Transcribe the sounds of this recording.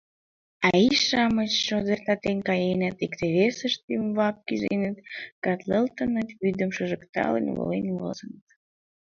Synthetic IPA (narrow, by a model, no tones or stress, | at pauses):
ɑiʃɑmət͡ɕʃod̪ərt̪ɑt̪enʲkɑjenət̪ikt̪eβesəʃt̪ymβɑp̚kyzḛnət̪kɑt̪ləlt̪ənət̪βyd̪əmʃəʒəkt̪ɑ̰lə̰nʲvo̰lenʲvo̰zənət̪